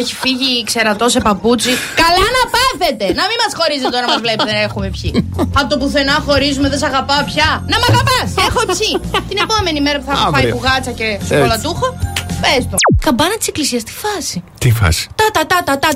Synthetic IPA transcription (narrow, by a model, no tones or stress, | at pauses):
eçi̥fiʝikse̞ɾɐt̪o̞se̞pɐput͡sikɐlɐnɐpɐθe̞t̪e̞nɐmimɐsxo̞ɾizt̪onɐmɐzvle̞peeexume̞pçiɐpot̪opuθe̞nɐxo̞ɾizumeðesɐɣɐpɐopçɐnɐmɐɣɐpɐsexoeçit̪ine̞pome̞nimeɾɐpuθɐɣɐpɐipuɣɐt͡sɐce̞solɐt̪uxopest̪okɐmbɐnɐt̪i̥seklisiɐst̪i̥fɐsit̪ifɐ̰si̥t̪ɐt̪ɐt̪ɐt̪ɐt̪ɐ